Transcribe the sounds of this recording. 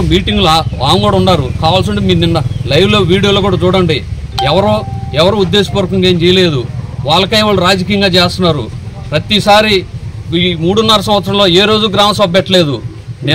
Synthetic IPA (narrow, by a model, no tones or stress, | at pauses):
miːʈiŋɡulaaːmɡuːɽaɐuɳːaːɾukaːʋaːls̬uɳʈemiːninːɐlɐjʋlo̞ːʋiːɽijoloːkuːɽat͡ʃuːɽɐɳɖiɛʋɐɾoːɛʋɐɾoːud̪ːeːʃi̥pɐɾɐkɐŋɡeːnt͡ʃɛjɐle̞ːd̪uʋaːɭːɐkɐjʋaːɭːuɾaːd͡ʒɐkiːjɐŋɡaːt͡ʃeːst̪unːaːɾṵpɾɐt̪isaːɾiimuːɽunːɐɾɐs̬ɐ̃mʋɐt̪sɾɐmloːeːɾo̞ːd͡ʒuɡɾaːmɐsʋɐbːɛʈːɐle̞ːd̪u | ne